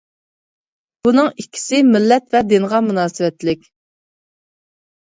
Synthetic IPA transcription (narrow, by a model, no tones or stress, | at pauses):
b̥unɨŋikʲʰːi̥sɪmɪlːɛt̪vɛd̪ɪnʁɑmunɑːsɨwɛt̪lɪkʲ